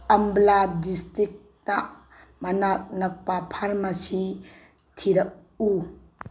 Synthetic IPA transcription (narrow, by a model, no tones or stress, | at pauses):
ɐmbladistɾik̚ | tɐ | mɐnak̚nɐk̚papʰaɾmɐsi | tʰiɾɐk̚ | u